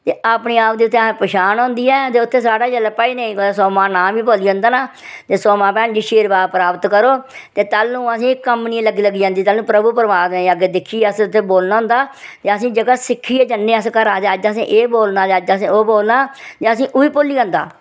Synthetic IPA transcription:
t̪eːapniːaːp̚d̪iːʊt̪ʰːeːspəʃaːnɔ̃ːnd̪iːɛːt̪eːʊt̪ʰːeːs̬aːɽaːd͡ʒəlːpaːiːneĩkosɔːmãːnãːʋiːpoːliːõːnd̪aːnaː | t̪eːsɔːmãːpɛ̃ːnd͡ʒiːʃeːɾbaːpɾaːpət̪kəɾoːt̪eːt̪aːlnũːəsĩːkəmnĩləɡːiːləɡːiːd͡ʒãːnd̪iːt̪əːlnũːpɾəbuːpəɾəʋaːd̪neːaːɡeːd̪ɪkʰːiːəsʊt̪ʰːeːboːlnaːɦʊ̃nd̪aːt̪eːəsĩːd͡ʒəɡaːsɪkʰːiːɛːd͡ʒənːeːəskəɾaːt̪eːəd͡ʒəsĩːʔeːboːlnaːd̪eəd͡ʒsĩːoːboːlnaːt̪eːəsĩːʔʊiːpʊlːiːãːnd̪a̰ː

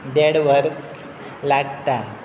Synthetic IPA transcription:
d̪eɽʋɐɾ | laːɡ̚t̪a

